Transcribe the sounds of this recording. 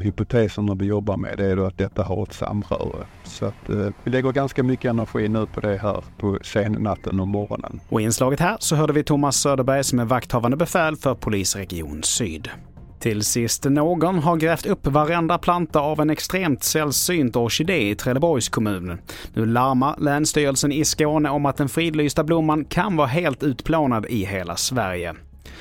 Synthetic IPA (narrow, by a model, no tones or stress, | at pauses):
hʏpʊt̪ʰeːsənæɾvɪjɔbːaɾmɛ̰d̪ɛæjd̪oat̪̚d̪ɛt̪ːaɦaɾɔt̪sa̰mɾɑ̰ɾə | sɔat̪vɪlɛɡːəɾɡanskamʏkːəɛnæɾɧiːnʉ̟ːpʰɔd̪ɛɦæ̰ːɾpʰɔseːnnat̪ʰːənɵmɔɾɔ̰nə̰nɔɪɪnslɑːɡət̪hæːɾsɔɦœːɖəvɪt̪ʰʊmːasːøːd̪əɾbæɾjsɔmɛvakt̪hɑːvand̪əbɛfɛːlfœɾpʰʊliːsɾɛɡɪṵːnsyːd̪ | t̪ʰɪlsɪst̪noːɡɔnɦaɾɡɾɛːft̪ɵpːvaɾɛnd̪apʰlant̪aavɛnɛkst̪ɾeːmt̪sɛlsyːnt̪ɔʂɪd̪eːɪt̪ʰɾɛd̪əbɔɾjskʰɔmʉ̟ːnənnʉ̟ːlaɾmaɾlɛːnst̪yːɾəlsənɪskoːnəɔmat̪̚d̪ɛnfɾiːd̪lyːst̪ablʊmːankʰanvɑːɦeːlt̪ʉ̟ːt̪pʰloːnad̪ɪɦeːla̰svæɾjə̰